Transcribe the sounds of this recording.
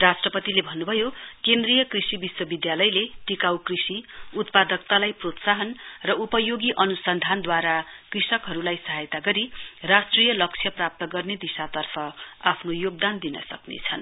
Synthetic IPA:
rasʈrʌpʌt̪ilebʱʌnːubʱʌjokend̪rijʌkrisibiswʌbid̪jalʌjleʈikawkrisiut̪̚pad̪ʌk̚t̪alajprot̪saɦʌnrʌupʌjoɡiʔʌnusʌnd̪ʱand̪waɾakrisʌkɦʌɾulajsʌɦajt̪aɡʌɾirasʈrijʌlʌkt͡sʰjʌprap̚t̪ʌɡʌrned̪isat̪ʌrpʰʌapʰnojoɡ̚d̪and̪inʌ̰sʌ̰knḛt͡sʰʌn

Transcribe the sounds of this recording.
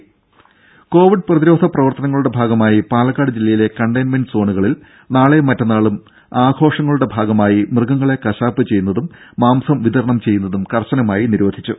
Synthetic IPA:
ko̞ːʋiɖ̚prɐðiɾo̞ːd̪ʱɐprɐʋɐrt̪ɐnɐŋːɐɭuɽe̞bʱaːɡɐmaːjipaːlɐkːaːɽɨd͡ʑilːɐjile̞kɐɳɖɐjnmenɖɨso̞ːɳuɣɐɭil | naːɭe̞mɐtːɐnːaːɭum | aːɡʰʱo̞ːʂɐŋːɐɭuɽe̞bʱaːɡɐmaːjimrɨɡɐŋːɐɭe̞kɐɕaːpːɨt͡ɕe̞jːunːɐðumːaːmsɐmʋiðɐɾɐɳɐmt͡ɕe̞jːunːɐðumkɐrɕɐnɐmaːjiniɾʋɐd̪ʱit͡ɕːu

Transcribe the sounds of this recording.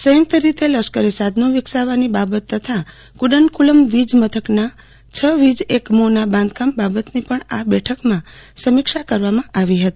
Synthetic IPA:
səjəmt̪əɾit̪eləʃkəɾisad̪nõʋɪksaʋanibabət̪ːət̪ʰa | kuɖənkuləmʋid͡ʒmət̪ʰəkna | t͡ʃʰəʋid͡ʒekmonabãnd̪kambabət̪nipəɳabɛʈʰəkmãsəmɪkʃakəɾʋamãʔaʋiɦət̪i̥

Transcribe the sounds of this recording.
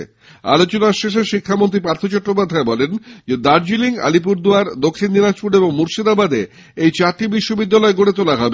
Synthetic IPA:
a̰lot͡ɕonaʃeʃ̬eʃikʰːamont̪ɾipaɾt̪ʰot͡ɕɔʈːɾop̬ad̪ʱːaebɔlend͡ʑed̪aɾd͡ʑiliŋa̰lip̬uɾd̪uaɾd̪okʰːinːinad͡ʑpuɾeboŋmuɾʃid̪abad̪e | ejt͡ɕaɾʈibiʃːobid̪ːalɔeɡoɽet̪olaɦɔbe

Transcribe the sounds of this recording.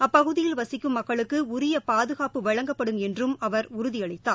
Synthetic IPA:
ɐpːɐɣɯðɪjɪlʋɐsɪkːɯmːɐkːɐɭɯkːɯʊɾɪjɐpaːðɯɣaːpɯʋɐɻɐŋɡɐpːɐɽɯmɛndrɯmɐʋɐɾʊɾʊðɪɐɭɪt̪ːaː

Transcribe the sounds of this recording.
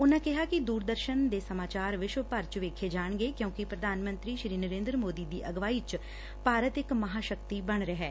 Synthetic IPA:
ʊnãːkɪɦaːkɪd̪uːɾd̪əɾʃənd̪eːsəmaːt͡ʃaːɾʋɪʃʋəpəɾt͡ʃʋeːkʰeːd͡ʒaːɳɡeːkjõːkɪpɾəd̪ʱaːnmə̃nt̪ɾiːʃɾiːnəɾẽːnd̪ɾəmoːd̪iːd̪iːʔəɡʋaːiːt͡ʃ | paːɾət̪ɪkməɦaːʃəkt̪iːbəɳ̃ɾəɦɛː

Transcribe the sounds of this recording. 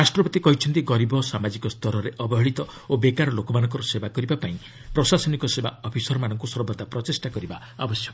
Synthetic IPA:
ɾasʈɾɔbɔt̪ikɔɦit͡ʃʰɔnt̪iɡɔɾibɔsamad͡ʒikɔst̪ʰɔɾɔɾeʔɔbɔɦɔɭit̪ɔ | obekaɾɔlokɔmanɔŋkɔɾɔsebakɔɾibapaĩ | pɾɔsasɔnikɔsebaɔpʰisɔɾɔmanɔŋkusɔɾbɔt̪apɾɔt͡ʃisʈakɔɾiba | abɔsjɔk

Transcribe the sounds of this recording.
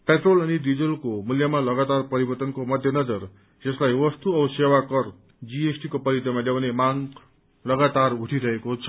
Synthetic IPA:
peʈrolʌnidid͡zʌlkomuljamalʌɡat̪arpʌɾibʌrt̪ʌnkomʌd̪ʱjʌnʌd͡zʌr | d͡zʌslajwʌst̪uʌsewakʌr | d͡ziesʈikopʌɾjʌt̪ɾʌmaljawnemaŋ | lʌɡat̪aruʈʰiɾʌɦekot͡sʰʌ̥

